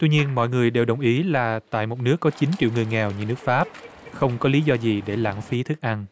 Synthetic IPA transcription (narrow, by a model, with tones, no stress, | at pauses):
t̪wi˧ɲi˧ənmɔ̰˧˨jŋɨ˨˩əjɗe˨˩wɗə˨˩wŋ͡mʔi˨˦laː˨˩t̪a̰ː˧˨jmo˨˩t̚nɨ˦˥əkːɔ˨˦t͡ɕi˨˦nt͡ɕḭ˧˨əwŋɨ˨˩əjŋɛ˨˩wɲɨ˧nɨ˦˥ək̚faː˦˥p̚ | xə˧wŋ͡mkɔ˨˦li˨˦zɔ˧zi˨˩ɗe˧˩la̰ː˧˥˩ŋfi˨˦t̪ʰɨ˦˥k̚ʔa˧n